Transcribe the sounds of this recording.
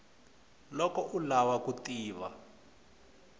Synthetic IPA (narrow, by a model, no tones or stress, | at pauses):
lɔkɔʔulawakutiːβa̰